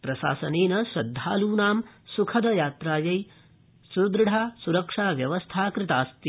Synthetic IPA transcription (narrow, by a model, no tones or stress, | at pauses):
pɾɐʃa̰ːsɐneːnɐʃɾɐd̪ʱːaːluːnaːmsukʰɐd̪ɐjaːt̪ɾaːjɐj | suɾd̪ɾɖʱaːsuɾɐkʂaːʋjɐʋɐst̪ʰaːkɾɪt̪aːst̪i